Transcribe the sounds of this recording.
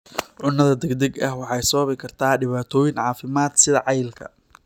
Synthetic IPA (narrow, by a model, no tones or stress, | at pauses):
ʕʊnːɐðɐd̪ɛɡd̪ɛɡɐhwɑħɑjsɔɐβɪkʰɐrt̪ʰaːɖɪβaːt̪ʰɔːjɪnʕɑːfɪmaːd̪sɪðɐʕɑjlkʰɐ̰